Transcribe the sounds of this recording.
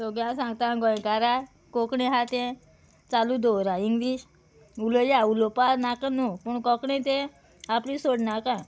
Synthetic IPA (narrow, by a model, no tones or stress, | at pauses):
toɡjãsãŋɡt̪ãɡɔj̃kaɾa | kɔkɳẽɦat̪ɛ̃ | t͡salud̪ɔwɾaiŋɡliɕ | uləjaulɔpaɾnakanupuɳkɔkɳẽt̪ẽ | aplisoɽnakã